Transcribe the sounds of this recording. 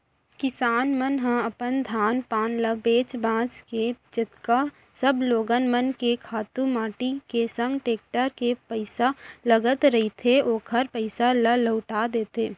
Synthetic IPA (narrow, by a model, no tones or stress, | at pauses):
kɪsaːnmənɦə̃ɐpənd̪ʱaːnpaːnləbeːt͡ʃbãːt͡ʃked͡ʒɪt̪ka | səbloːɡənmənkekʰaːt̪ũmaːʈikesə̃ŋɡʈeːk̚ʈəɾkepəɪsaləɡət̪ɾɐɦit̪ʰeoːkʰəɾpəɪsalələʊʈad̪eːt̪eː